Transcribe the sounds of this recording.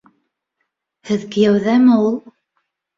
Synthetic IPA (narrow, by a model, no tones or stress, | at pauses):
hɘ̆ðkɘ̆jæwðæmɘulˠ